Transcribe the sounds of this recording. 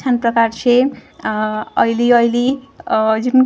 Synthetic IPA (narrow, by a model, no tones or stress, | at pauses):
anpɾʌkaɾt͡ʃʰe | ʌiliʌili | d͡ʒun